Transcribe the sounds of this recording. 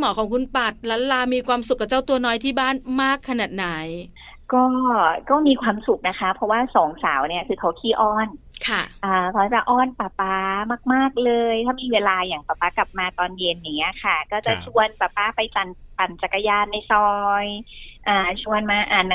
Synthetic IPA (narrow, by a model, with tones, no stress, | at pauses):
mɔː˩˦kʰɔː˩˦ŋkʰu˧npa˨˩t̪̚la˦˥laː˧miː˧kʰwaː˧msu˨˩kːa˨˩t͡ɕa˥˩wt̪u˧ɐnɔː˧jt̪ʰiː˥˩baː˥˩nmaː˥˩kʰːa˧naː˨˩t̪̚na˩˦j | kɔː˥˩kɔː˥˩miː˧kʰwaː˧msu˨˩k̚na˦˥kʰa˦˥pʰɔ˦˥waː˥˩sɔː˩˦ŋsaː˩˦wni˥ɐkʰɯː˧kʰa˦˥wkʰiː˥˩ʔɔː˥˩n | kʰa˥˩ʔaː˨˩kʰa˦˥t͡ɕa˨˩ʔɔː˥˩npaː˨˩paː˦˥maː˥˩k̚maː˥˩k̚lɤː˧jt̪ʰaː˥˩miː˧weː˧laː˧jaː˨˩ŋpaː˨˩pːaː˦˥kla˨˩p̚maː˧t̪ɔː˧nje˧nja˨˩ŋːi˦˥ɐkʰa˥˩kɔː˥˩t͡ɕa˨˩t͡ɕʰu˧ənpaː˨˩paː˦˥pa˧jt͡ɕa˨˩npa˨˩nt͡ɕa˨˩kːa˧jaː˧nːa˧˩jsɔː˧jʔaː˨˩t͡ɕʰu˧ənmaː˧ʔaː˨˩n